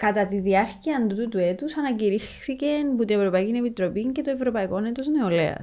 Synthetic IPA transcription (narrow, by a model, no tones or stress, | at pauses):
kɐt̪ɐt̪iðiɐɾciɐnd̪ut̪ut̪ue̞t̪usɐnɐciɾixθice̞nput̪ie̞vɾo̞pɐicine̞pit̪ɾo̞piɲce̞t̪o̞e̞vɾo̞pɐiko̞net̪o̞zneo̞lḛɐ̰s